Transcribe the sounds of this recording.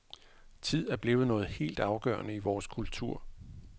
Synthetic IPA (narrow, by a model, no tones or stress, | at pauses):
t͡sʰið̞̰ˠæɐb̥le̝ːʊð̩ˠnɔ̽ːð̞̩ˠhe̝̰ːld̥ɑ̈ʊɡ̥ɶːɐnəiʋɒːskʰult͡sʰuɐ̰